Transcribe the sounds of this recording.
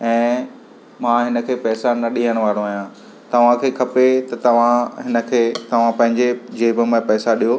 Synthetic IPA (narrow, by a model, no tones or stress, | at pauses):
ɛ̃ː | mãːɦɪnə̆kʰeːpɛːsanɐɗiɦəɽ̃ʋaːɾõaːɦijãː | t̪ɐʋ̤ãkʰeːkʰɐpet̪ɐt̪ɐʋ̤ãɦɪnə̆kʰeːt̪ɐʋ̤ãpɐ̃ɦɪ̃ɲd͡ʑed͡ʑeːbɪmẽpɛːsaɗijoː